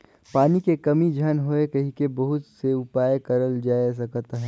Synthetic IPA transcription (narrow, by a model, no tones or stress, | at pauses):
paːnikekɐmid͡ʒʱɐnɦoekɐɦikebɐɦʊt̪seʊpaːjkɐɾəld͡ʒaːjs̬ɐkt̪ɦɛ